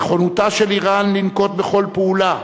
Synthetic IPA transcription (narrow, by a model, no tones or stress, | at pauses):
χonutaʃeliʁanlinko̞t̪̚beχo̞lpeula